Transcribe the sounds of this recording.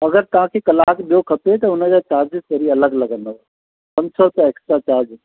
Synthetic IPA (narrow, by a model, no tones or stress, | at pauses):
ɐɡəɾt̪ɐʋãːkʰekɐlaːkɓijokʰɐpet̪ɐʊnəd͡ʑat͡ʃaːɾd͡ʒɪst̪əɾiɐləɡlɐɡəno | sɐ̃msʰəɾt̪eeːksʈɾat͡ʃaːɾd͡ʒ